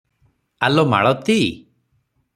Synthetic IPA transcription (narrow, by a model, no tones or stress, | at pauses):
alɔma̰ɭɔt̪i